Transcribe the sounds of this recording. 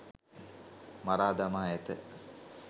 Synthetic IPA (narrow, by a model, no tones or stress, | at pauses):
maɾaːd̪amaːɛt̪ə